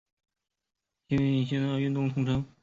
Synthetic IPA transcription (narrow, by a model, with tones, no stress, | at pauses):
ɕi˥nɛ˥˩ni˨˩ɕ̬ʰɛ˥n˥˧˩y˥˧nt̪ʊ˥˧ŋt̪ʰʊ˧˥ŋʈ͡ʂʰɤ˥ŋ